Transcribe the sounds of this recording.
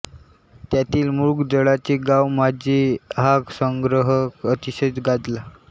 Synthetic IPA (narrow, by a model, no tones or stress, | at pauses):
t̪jat̪iːlmuɾɡd͡zəɭat͡ɕiɡawmad͡ʑiɦaksəŋɡɾəɦəkət̪iɕət͡sɡad͡z̪la